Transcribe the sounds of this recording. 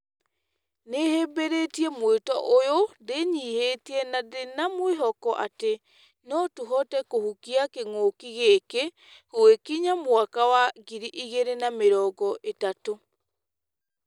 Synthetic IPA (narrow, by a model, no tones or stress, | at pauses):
neheːmbeɾetiɛmwetɔʔojodeɲiːheːtiɛnadenamweɦɔkɔʔate | nɔtuɦɔtɛkohukiakeŋokiɣeke | ɣoekiɲamwakawaɣiɾiʔiɣeɾenameɾɔːɡɔʔetato